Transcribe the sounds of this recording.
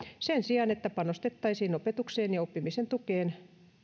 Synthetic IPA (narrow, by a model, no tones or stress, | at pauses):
sensiɑnet̪ːæpɑnost̪et̪ːɑisiːnopet̪ukseːnjɑopːimisent̪ukeːn